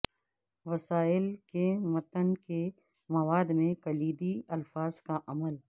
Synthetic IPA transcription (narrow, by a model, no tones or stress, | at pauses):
ʋɐsaːɪlkemɐt̪ənke | mɐʋaːd̪mẽkɐliːd̪iɐlfaːz̥kaʔɐməl